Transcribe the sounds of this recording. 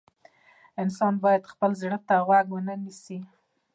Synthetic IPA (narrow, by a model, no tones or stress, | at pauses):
ɪnsɑnbɑjad̪xpəlzɽət̪aɣwaɡwənənisi